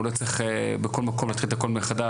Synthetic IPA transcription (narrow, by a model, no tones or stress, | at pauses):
lot͡sʁeχebeko̞lmako̞mlat̪χilt̪ako̞lmeχad̪a